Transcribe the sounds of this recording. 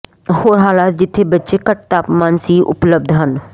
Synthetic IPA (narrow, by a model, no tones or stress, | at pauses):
hoːɾɦaːlaːt̪̚d͡ʒɪt̪ʰːeːbətːʃeːkəʈ̚t̪aːpmãːnsiːʔʊ̰pləb̚d̪ʱɦən